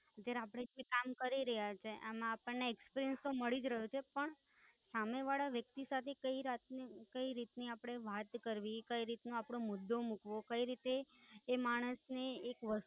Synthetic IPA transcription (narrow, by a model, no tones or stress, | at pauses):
ɦət̪jaɾeapɽ̃eʋikamkəɾiɾəɦjat͡ʃʰeʔemãːpəɳːeːkspiɾiənst̪oməɭid͡ʒɾəɦot͡ʃʰepəɳ | sameʋaɭaʋjək̚t̪isat̪ʰekəiɾat̪nkəiɾit̪niapɽ̃eʋat̪kəɾʋikəiɾit̪nõapɽõmʊd̪ːomukʋokəiɾit̪eːmaɽ̃əsneːkʋəs